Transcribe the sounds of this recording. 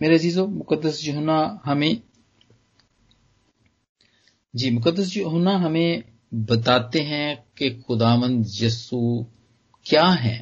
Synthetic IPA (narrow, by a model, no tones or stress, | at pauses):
meːɾeɐziːzoːmʊkəd̪ːəsd͡ʒʊɦnaɦɐmẽ | d͡ʒiːmʊkəd̪ːəs̬d͡ʒoɦʊnaɦɐmẽ | bɐt̪aːt̪eɦɛ̃kexʊd̪aːʋə̃nd̪jɐsuː | kjaːɦɛ̰̃ː